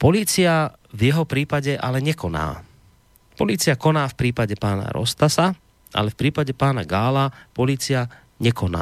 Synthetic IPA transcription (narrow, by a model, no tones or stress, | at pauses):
pɔliːt͡sia | vjɛɦɔpɾiːpaɟɛʔalɛɲɛkɔna̰ː | pɔliːt͡siakɔnaːfpɾiːpaɟɛpaːna̰ɾɔ̰st̪asa | ʔa̰lɛfpɾiːpaɟɛpaːnaɡaːlapɔliːt͡sia | ɲɛkɔna̰ː